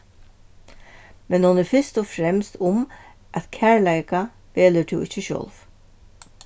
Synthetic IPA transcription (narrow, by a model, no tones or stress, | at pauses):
mɛnhʊnɛɾfɪɹst̪ɔfɾɛmst̪ʊm | ʔæt̪kʰæːɹlæɪka | ʋeːlət̪ʰɪwɪt͡ʃːəʃœ̰lv